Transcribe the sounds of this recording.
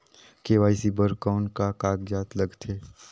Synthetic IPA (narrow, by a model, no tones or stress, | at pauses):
keːʋaːisibəɾkaːnkakaːɡd͡ʒaːt̪ləɡt̪ʰeː